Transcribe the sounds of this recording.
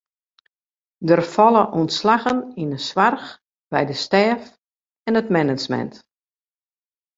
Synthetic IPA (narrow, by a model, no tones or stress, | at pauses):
dərfɔlˠəʔuntslaɣəninənswarx | b̥ɛjdəstɛːf | ɛnətmɛnət͡ʃmɛ̰nt